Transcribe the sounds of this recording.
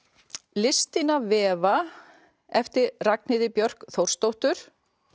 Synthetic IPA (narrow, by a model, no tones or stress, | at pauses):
lɪst̪ɪnavɛːva | ɛft̪ɪɾraknɪðɪpjœr̥kθowr̥st̪owht̪ʏɾ̥